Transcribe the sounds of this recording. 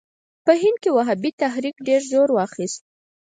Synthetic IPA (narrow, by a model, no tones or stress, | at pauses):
pəɦɪnd̪̚kewaɦabit̪aɦɾikɖeɾzoɾwɑxist̪̚